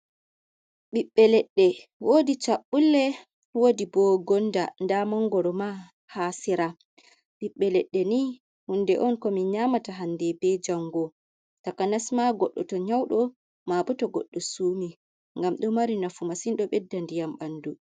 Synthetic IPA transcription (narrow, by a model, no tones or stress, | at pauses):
ɓiɓːɛlɛɗːɛwodit͡ʃaɓːulːɛ | wodibɔɡɔndandamɔŋɡɔɾɔma | hasiɾa | ɓiɓːɛlɛɗːɛni | hundɛʔɔnkɔmiɲamataɦandɛbɛd͡ʒaŋɡɔ | takanasmaɡɔɗːɔ̰tɔɲawɗɔ | mabɔtɔɡɔ̰ɗːɔsuːmi | ŋɡamɗɔmaɾinafumasinɗɔɓɛdːandijamɓandu